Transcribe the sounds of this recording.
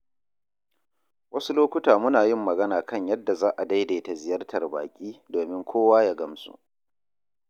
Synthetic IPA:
wɐ˦su˦loː˦kʷʊ˦taː˨mʊ˦naː˨jɪ˦mːɐ˨ɡɐ˦naː˨kɐ˦˨ɲjɐ˦dːa˨zaː˦ʔa˨da˦jdeː˨ta˨zɪ˨jɐ˦rtʰɐ˨rba̰ː˨kʲʼiː˦doː˨mɪ˦ŋkʷʰoː˦waː˦ja˦ɡɐ˦msṵ˨ʔ

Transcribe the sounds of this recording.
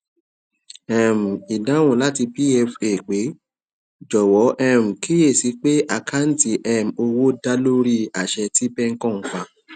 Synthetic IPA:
ɛ˨m̩˨i˨dã˨˦w̃ũ˨la˦ti˧pi˦ɛ˧fe˨k͡pe˨˦ | d͡ʒɔ˨wɔ˨˦ʔɛ˦m̩˨kʰi˦e˦˨si˨˦k͡pe˦ʔa˨kʰa˦n̩˦ti˧˦ʔɛ˦m̩˨o˧wo˦da˦lo˦ɾi˦a˨ʃɛ˧ti˦bɛ˦ŋ̩˦kɔ̃˦˨ŋ̩˦k͡pa˧˦

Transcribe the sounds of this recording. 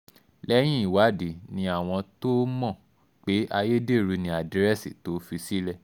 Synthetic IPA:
lɛ˦j̃ĩ˦i˦˨wa˨˦di˨nĩ˧a˨w̃ɔ̃˧to˦mɔ̃˦˨ | k͡pe˨˦ʔa˧je˦de˦˨ɾu˧nĩ˧a˨di˨˦ɾɛ˦˨si˦˨to˨˦fi˧si˦lɛ˦˨

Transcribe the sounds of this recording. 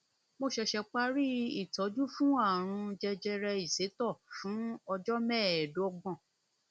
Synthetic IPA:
mo˧ʃɛ˧ʃɛ˧k͡pa˦ɾi˦i˦˨tɔ˨˦d͡ʒu˦fũ˦a˦˨ɾ̃ũ˧d͡ʒɛ˧d͡ʒɛ˧ɾɛ˧i˨se˨˦tɔ˦˨fũ˨˦ɔ˧d͡ʒɔ˦mɛ̃˦˨du˨˦ɔ˧ɡ͡bɔ̃˦˨

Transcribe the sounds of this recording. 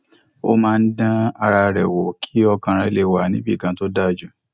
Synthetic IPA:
o̰˦mãː˦˧n̩˦dã˦a˧ɾa˧ɾɛ˨wɔ˨kʰi̥˨˦ɔ˧kã˧ɾ̃ã˧le˧wa˨nĩ˨˦bi˦˨ɡã˨˧˦to˦da˦˨d͡ʒu˦

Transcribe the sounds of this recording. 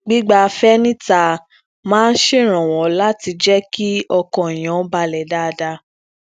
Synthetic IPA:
ɡ͡bi˦ɡ͡ba˧fɛ˦nĩ˦ta˧˨ | mãː˦n̩˦ʃe˦˨ɾ̃ɔ̃˨w̃ɔ̃˨la˦ti˧d͡ʒɛ˦ki˦ɔ˧kɔ̃˨i˨j̃ɔ̃˨˦ba˧lɛ˨da˦˧da˧

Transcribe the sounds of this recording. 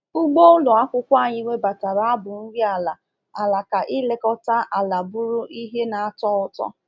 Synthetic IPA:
ʊ˦ɡ͡bo˦ʊ˦lʊ˨a˦kʷʊ˦kʷa˦˨ɲɪ˦ŋʷe˦ba˨ta˨ɾa˨a˦bʊ˨n̩˦ɾi˦a˨la˨ | a˨la˨ka˨ʔɪ˦le˦kɔ˦ta˦ʔa˨la˨bʊ˦ɾʊ˦ʔi˦ɦe˦na˨a˦˨tɔ˦ʊ˨tɔ̰˦

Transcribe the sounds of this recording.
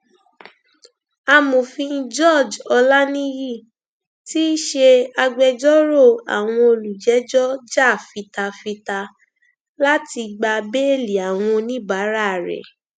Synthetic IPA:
a˧mo˨fĩ˧n̩˦d͡ʒɔ˦˨d͡ʒɔ˧la˦nĩ˦ji˦˨ | ti˦ʃe˧a˧ɡ͡bɛ˧d͡ʒɔ˦ɾo˦˨a̰˨w̃ɔ̃˧o˧lu˨d͡ʒɛ˨˦d͡ʒɔ˦d͡ʒa˦˨fi˧ta˧fi˧ta˧ | la˦ti˧ɡ͡ba˧be˦e˦˨li˨a˨w̃ɔ̃˧nĩ˦ba˨˦ɾa˦˨ɾɛ̰˨

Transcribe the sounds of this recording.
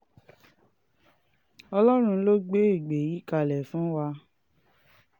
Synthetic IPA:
ɔ˧lɔ˦ɾ̃ũ˧˦lo˦ɡ͡be˦i˦˨ɡ͡be˨ji˨˦ka˧˨lɛ˨fũ˨˦wa˧

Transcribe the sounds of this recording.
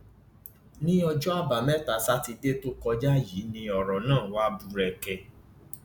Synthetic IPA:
nĩ˦ɔ˧d͡ʒɔ˦a˦ba˨mɛ˦ta˨˦sa˦ti˧de˦to˦kɔ˧d͡ʒa˦ji˨˦nĩ˧ɔ˨ɾɔ˨nãː˦˨wa˦bu˧ɾɛ˧kɛ˧

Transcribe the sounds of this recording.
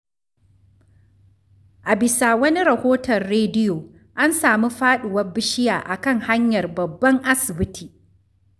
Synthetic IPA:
ʔa˨bɪ˨saː˨wɐ˦ni˦ɾɐ˨hoː˦tɐ˨rːeː˦dɪ˦joː˨ | ʔa˦nsaː˨mi˦ɸaː˦ɗʊ˨wɐ˦rbɪ˦ʃɪ˦jaː˨ʔa˨kɐ˦˨ŋha˦ɲjɐ˨rbɐ˨bːɐ˦ŋʔa˦sɪ˨bɪ˦tʰiː˨

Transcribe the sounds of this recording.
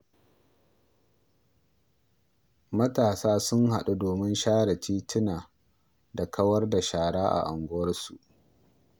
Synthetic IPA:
mɐ˦taː˨saː˦sʊ˦ŋɦa˨ɗu˦doː˨mɪ˦nʃaː˦ɽɐ˨tiː˦tʰɪ˦naː˨ | da˨kʰɐ˦wɐ˦rda˨ʃaː˨ɽaː˦ʔa̰˨ʔa˨ŋɡʷʊ˦wɐ˦rsu˨ʔ

